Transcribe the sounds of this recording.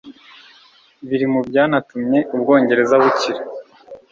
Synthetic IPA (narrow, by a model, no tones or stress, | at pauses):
βiɾimubɟaːnatumɲe̞ʔub̚ɡo̞ːɲɟe̞ɾe̞zaβuciɾa